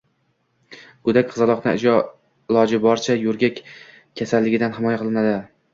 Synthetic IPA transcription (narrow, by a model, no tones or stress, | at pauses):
ɡ̥ʊd̪akʲqʰɨzalˠɒqnɪ̰ɪ̰d͡ʒɒ | ɪlˠɒd͡ʒɪbɒɾt͡ʃʰajɵɾɡʲakʲ | kʰʲːasalːɪɡʲɪd̪anɦɪmɒjaqʰɨlˠɪnad̪ɪ